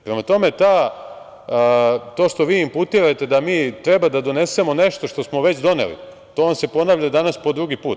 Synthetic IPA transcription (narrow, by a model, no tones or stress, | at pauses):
pɾe̞mat̪o̞me̞t̪a | t̪o̞ːʃt̪o̞ʋiːimput̪iɾat̪e̞d̪amiːt̪ɾebad̪ad̪o̞ne̞se̞mo̞ne̞ʃt̪o̞ʃt̪o̞smo̞ʋe̞t͡ɕd̪o̞nḛlḭ | t̪oːonse̞po̞naːʋʎad̪anaspo̞d̪ɾuɡipuːt̪